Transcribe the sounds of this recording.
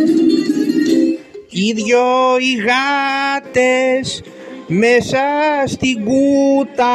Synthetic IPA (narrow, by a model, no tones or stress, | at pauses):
iðjoiɣat̪es | mesast̪iɡut̪a